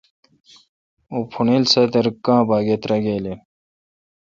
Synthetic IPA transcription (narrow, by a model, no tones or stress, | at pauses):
oːpʰuneːlsɐt̪ɐɾkãːbaːɡet̪ɾɐɡeːle